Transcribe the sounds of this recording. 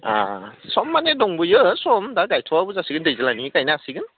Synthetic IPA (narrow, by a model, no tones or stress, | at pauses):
a̰sɔmːanedɔŋbɯjɯsɔmdaɡajtʰɔwabuzasiɡɯndɯjzalanikajnasiɡɯn